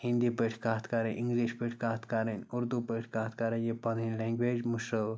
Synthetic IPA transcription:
hĩnd̪ipəʈʰkaːt̪kaɾenʔiŋɡliʃpeʈʰkaːt̪kaɾenuɾd̪upəʈʰkaːt̪kaɾẽnjepãnĩnlɛ̃ŋɡʋed͡ʑmuʃɾə

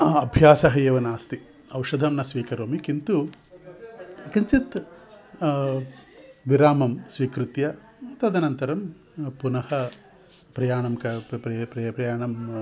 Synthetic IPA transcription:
ɐbʱjaːsɐɦɐjɐʋɐnaːst̪i | ɐwʂɐd̪ʱɐmnɐsʋiːkɐɾoːmikint̪u | kɐɲt͡ʃit̪ | ʋiɾaːmɐmsʋiːkɾut̪jɐ | mɐt̪ːɐd̪ʱɐnɐnt̪ɐɾɐm | punɐhɐ | pɾɐjaːɳɐmkɐpɾɐpɾɐjaːɳɐm

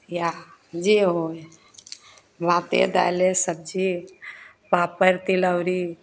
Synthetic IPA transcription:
jad͡ʒiɦoj | mãːt̪ḛd̪a̰lesəb̚d͡ʒi | paːpəɾt̪iləwɾi

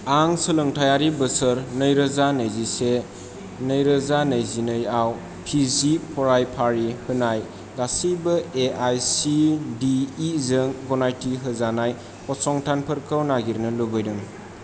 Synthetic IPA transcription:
aŋsɯlɯŋtʰajaɾibəsəɾnəjɾəzanɯjzise | nəjɾəzanəjzinɯjaw | pʰizipʰɔɾajpʰaɾihɯnaj | lasibɐeʔajsidiːzɯŋɡɔnajtiɦɯzanaj | ɔsɔŋtʰanpʰəɾkʰawnaɡiɾnɯlobɯjdɯŋ

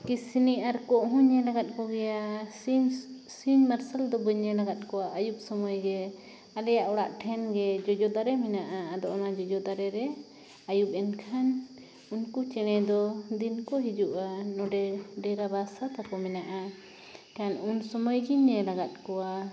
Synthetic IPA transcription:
kisiniʔaɾkɔʔɦuɲɛlaɡat̪̚kɔɡɛja | siɲmaɾsald̪ɔbəɲɛlaɡat̪̚ˀkɔwaʔajup̚sɔmɔjɡɛ | alɛjaʔɔɽaʔʈʰɛnɡɛd͡ʒɔd͡ʒɔd̪aɾɛmɛnaʔaad̪ɔʔɔnad͡ʒɔd͡ʒɔd̪aɾɛɾɛ | ajup̚ˀɛnkʰan | unkut͡ʃɛɽ̃ɛd̪ɔd̪inkɔɦid͡ʒuʔanɔɖɛɖɛɾabasat̪apɔmɛnaʔa | kanunsɔmɔjɡiɲɛlaɡat̪̚kɔwa

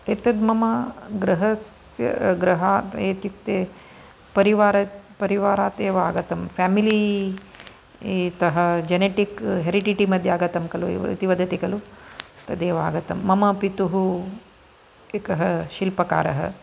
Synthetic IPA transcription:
et̪ɐd̪mɐmɐɡɾɐɦɐs | jɐ̰ɡɾɐɦaːt̪eːt̪juk̚t̪eː | pɐɾiʋaːɾɐpɐɾiʋaːɾaːt̪eːʋɐaːɡɐt̪ɐmfʰaːmili | t̪ɐɦɐd͡ʒɐneːʈikɦeːɾiʈiʈimɐd̪ʱjaːɡɐt̪ɐmkɐluḭt̪iʋɐd̪ʱɐt̪ikɐlut̪ɐd̪eːʋɐa̰ːɡɐt̪ɐmːɐmɐpit̪uɦu | ekɐɦɐʃilpɐka̰ːɾɐɦɐ̰

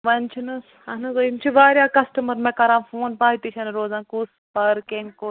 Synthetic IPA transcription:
ʋɐnt͡ʃʰinɨs | ɐnɨzoimt͡ʃʰiʋaːɾjaːkɐsʈɐmɐɾmẽkɐɾãːmfoːnpaːit̪it͡ʃʰɐnɾoːzãːnkuːs | pɐɾkeŋkoː

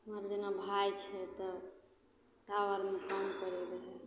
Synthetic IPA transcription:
ɦəməɾd͡ʒənabʱajt͡ʃʰɛt̪ɔ | ʈaʋəɾmekəmkəɾɛɾəɦɛ

